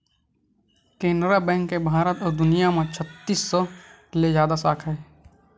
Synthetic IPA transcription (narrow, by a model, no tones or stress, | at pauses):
kẽːnɾabɛ̃ːŋkːebʱaːɾət̪ɔːɾd̪ʊnijamãt͡ʃʰət̪ːiːsːɔkɪlezjaːd̪asaːkʰɦɛː